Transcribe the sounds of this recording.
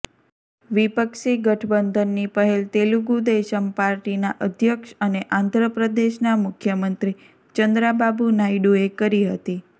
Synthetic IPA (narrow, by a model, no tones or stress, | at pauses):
ʋipəkʃiɡəʈʰəbənd̪ʱənːipəɦelt̪eluɡud̪eʃəmpaɾʈinaʔəd̪ʱjəkʃəneʔãnd̪ʱɾəpɾəd̪eʃnamʊkʰjəmənt̪ɾi | t͡ʃənd̪ɾababunaiɖuekəɾiɦə̰t̪i